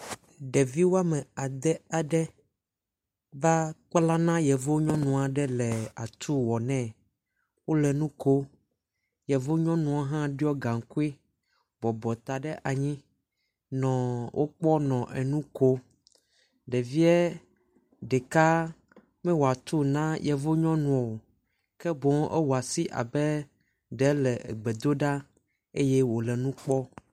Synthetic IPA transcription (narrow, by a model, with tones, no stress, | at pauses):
ɖɛ˨vi˦wo˦a˦mɛ̃˨a˨d̪ɛ˦a˨ɖɛ˦ | va˦k͡pla˦nã˦jɛ˨vo˦ɲɔ̃˦nũ˨a˨ɖɛ˦lɛ˨a˨t̪u˦wɔ˨nɛ̃˦˨ | wo˦lɛ˨nũ˦ko˦ | jɛ˨vo˦ɲɔ̃˦nũ˨a˨ɦã˦ɖi˦ɔ˦ɡa˨ŋ˨ku˦e˦ | bɔ˨bɔ˨t̪a˨ɖɛ˦ʔa˨ɲĩ˦ | nɔ̃˨wʔo˦k͡pɔ˦nɔ̃˨ʔɛ˨nũ˦ko˦ | ɖɛ˨vi˦ɛ˦ | ɖɛ˨ka˦ | mɛ̃˦wo˨a˨t̪o˦nã˦jɛ˨vo˦ɲɔ̃˦nũ˨ɔ˨o˨ | kɛ˦bõ˨˦ŋ˦ʔɛ̰˦wo˨a˨si˦ʔa̰˨bɛ˦ | ɖɛ˨˦lɛ˨ɛ̰˨ɡ͡bɛ˨d̪o˦ɖa˦ | e˦jɛ˦wo˨lɛ˨nũ˦k͡pɔ˦